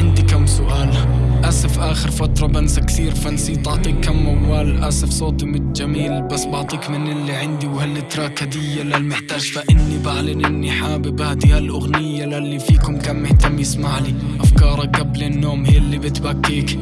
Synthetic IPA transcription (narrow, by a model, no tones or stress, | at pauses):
ʕɪnd̪ikamːsʊʔaːlʔasɪfʔaːxɪɾfat̪ɾˤɑbansakt̪iːɾfansiːt̪ɑʕt̪ˤiːkːamːawːaːlʔa̰sɪfsˤoːt̪imɪt̪d͡ʒamiːlbasːbɑʕt̪ˤiːkmɪnɪlːiʕɪnd̪iwhalːɪt̪ɾˤɑkad̪ɪjːalalmɪħt̪aːd͡ʒfaʔɪnːibaʕlɪnʔɪnːiħaːbɪbhad̪ihalʔʊɣnɪjːalalːifiːkʊmkamːɪht̪amːjɪsmaʕli | ʔafkɑːɾˤɑɡablɪnːoːmhiːlːibɪt̪bakːiːk